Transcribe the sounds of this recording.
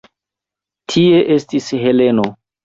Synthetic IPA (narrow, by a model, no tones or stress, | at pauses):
tʰie̞ʔestisɦeleno